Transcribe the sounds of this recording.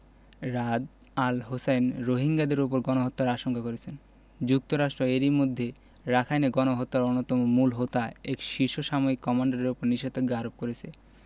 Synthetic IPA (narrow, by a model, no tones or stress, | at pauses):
ɾad̪ | alɦosenɾoɦiŋɡad̪eɾop̬oɾɡɔnoɦot̪ːaɾaʃoŋkakoɾet͡ɕʰen | d͡ʑuk̚t̪oɾaʃʈɾoeɾimod̪ʱːe | ɾakʰajneɡɔnoɦot̪ːaɾonːot̪ɔmomulɦot̪aekʃiʃoʃamoikːɔmaɳɖaɾeɾopoɾniʃet̪ok̚ɡaɾop̚koɾet͡ɕʰe